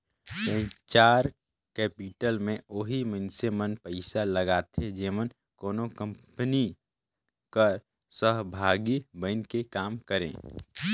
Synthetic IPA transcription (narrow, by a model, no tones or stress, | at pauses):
tə̃ĩt͡ʃaːɾ | kɛːpiʈəlmẽoɦimə̃nsemənpəɪsaləɡaːt̪ʰed͡ʒeːʋən | koːnokə̃mpni | kəɾ | səɦbʱaːɡibənkekaːmkəɾḛ̃ː